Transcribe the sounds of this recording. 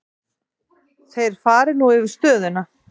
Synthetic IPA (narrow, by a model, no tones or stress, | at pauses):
θejɾ̥faːɾɪnuɪvɪɾ̥st̪œːðʏna